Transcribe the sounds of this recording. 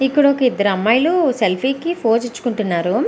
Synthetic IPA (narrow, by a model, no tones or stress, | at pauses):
ipːuɽɐokɐid̪ːɐɾɐmːɐjluselpʰiːkipʰoːd͡ʒit͡ʃːu̥kuɳʈunːaːɾu